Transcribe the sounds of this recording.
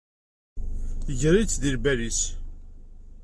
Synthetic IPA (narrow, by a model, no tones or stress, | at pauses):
ʝɾit͡sːðilbæɾis